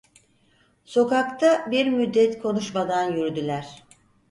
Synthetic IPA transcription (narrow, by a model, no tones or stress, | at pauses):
so̞kakt̪ʰabiɾmyd̪ːɛt̪kʰo̞nuʃmad̪anjyɾd̪ylʲæɾ̥